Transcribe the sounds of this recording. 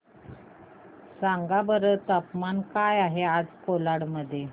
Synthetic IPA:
saŋɡabəɾət̪əpmankajaɦead͡zkolaɽməd̪ʱːje

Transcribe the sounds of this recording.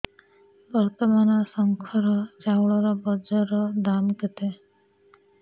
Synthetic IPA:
bɔɾt̪ɔmanɔsɔŋkʰɔɾɔd͡ʒawɭɔɾɔbɔd͡ʒɔɾɔd̪amket̪e

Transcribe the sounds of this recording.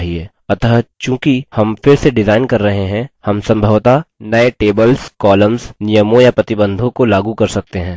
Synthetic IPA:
ɦieː | ɐt̪ɦt͡ʃjũːkihɐmfɪɾseɖɪzaːɪnkɐɾːɐɦeɦɛ̃hɐmsɐ̃mbʱəʋt̪anɐeʈeːbəlskɔːləmznijəmõjapɾɐt̪ɪbə̃nd̪ʱõkolaːɡukɐɾsɐk̚t̪eɦɛ̃ː

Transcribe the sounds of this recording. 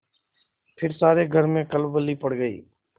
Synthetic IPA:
pʰɪɾsaːɾeːɡʱəɾmẽːkəlbəlːiːpəɽɡəḭː

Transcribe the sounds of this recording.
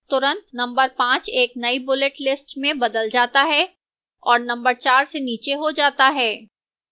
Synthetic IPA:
t̪ʊɾə̃nt̪nɐ̃mbəɾpãːt͡ʃeːknɐibʊlɪʈlɪsʈmẽbɐd̪əld͡ʒaːt̪aɦɛ | ɔːɾnɐ̃mbəɾt͡ʃaːɾseniːt͡ʃeɦod͡ʒaːt̪aɦɛː

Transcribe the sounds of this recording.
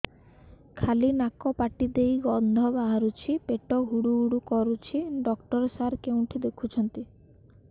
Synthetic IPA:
kʰalinakɔpaʈid̪ejɡɔnd̪ʱɔbaɦaɾut͡ʃʰipeʈɔɡʱuɽuːɽukɔɾut͡ʃʰiɖɔkʈɔɾɔsaɾkewʈʰid̪ekʰut͡ʃʰɔnt̪i

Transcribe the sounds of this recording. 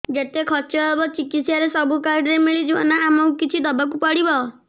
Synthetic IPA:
d͡ʒet̪ekʰɔt͡ʃɔebɔt͡ʃikit̪sjaɾesɔbukaɾɖɾemiɭid͡ʒiɔnaːmɔ̃ũkit͡ʃʰid̪ɔbak̬upɔɽibɔ

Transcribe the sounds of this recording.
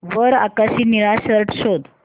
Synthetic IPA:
ʋəɾa̰kasiːniɾaɕəɾʈɕod̪

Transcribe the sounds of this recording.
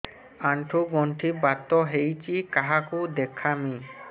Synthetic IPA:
aɳʈʰuɡɔɳʈʰibat̪ːoɦejt͡ɕikaɦakud̪ekʰːami

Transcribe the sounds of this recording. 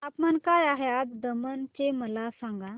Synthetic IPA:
apmankajaɦeat̪d̪əmənt͡ɕeməlasãŋɡa

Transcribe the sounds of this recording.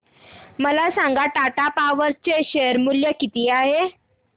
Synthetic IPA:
məlasaŋɡaʈaʈapaʋəɾt͡seɕeəɾmuljəkit̪iːaɦe

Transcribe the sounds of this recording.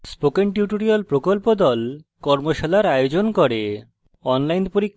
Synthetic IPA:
spokeɳʈuʈoɾiolpɾokolpod̪ɔlkɔɾmoʃalaɾajod͡ʑonkoɾe | ɔnlajnpoɾikʰ

